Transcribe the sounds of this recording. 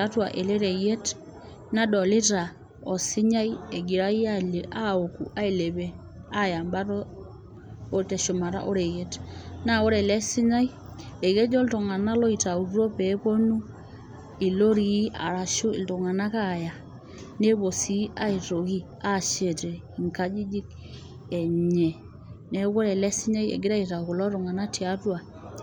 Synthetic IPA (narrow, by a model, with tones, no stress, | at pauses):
a˦twa̰˨ʔe˨le˦ɾe˨je˦t | na˦dɔ˨lɪ˦ta˨ | ɔ˨sɪ˦ɲa˦je˨ɡi˨ɾa˦i˦a˦˨le˨ʔa˦o˨ku˨ʔa˦i˨le˨bɛ˦˨ | a˦ja˨mba˦tɔ˦ | tɛ˨ʃu˨ma˨ɾa̰˦ʔɔ˦ɾe˨je˦tna˦o˦ɾɛ˨lɛ˦sɪ˦ɲa˦j | e˨ke˦d͡ʒɔ˦ltɔ˨ŋa˨na˦lɔ˦i˨ta˨u˨ɾu˦ɾɔ˦pɛ˦po˦nu˦ | i˨lo˦ɾi˨˦a̰˨ɾa˨ʃu˦ɪ̰˨ltɔ˨ŋa˨na˦ka˦˨ja˨ | ne˦bo˨si˦a˦i˨to˨ki˦ | a˦˨ʃe˨tɛ˨ | i˨ŋka˦d͡ʒi˦d͡ʒi˦k | ɛ˨ɲɛ˨ | nɛ˦ko˦ɾɛ˨lɛ˦si˦ɲa˦jḛ˨ɡɪ˦ɾa˦i˨ta˨ku˨lɔ˦ɾɔ˨ŋa˨na˦ti˨a˦twa˨